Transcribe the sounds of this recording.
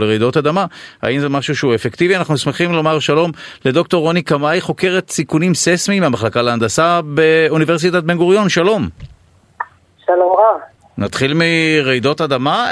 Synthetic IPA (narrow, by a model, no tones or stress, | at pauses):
leʁejdo̞tad̪amaa̰imzemaʃuʃeuefekt̪ivianaχnusmeχimlo̞maʁʃalo̞mle̞d̪o̞k̚to̞ʁo̞nikamajχo̞ke̞ʁet̪sikunimsesmimamaχlakaleand̪asabeuniveʁsitat̪̚benɡuʁjo̞nʃalo̞m | ʃalomʁa | nat̪χilmiʁejdo̞tad̪ama